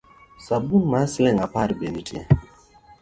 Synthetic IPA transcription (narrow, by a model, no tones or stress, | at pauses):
sabunmaslɛŋapaɾbenitiḛ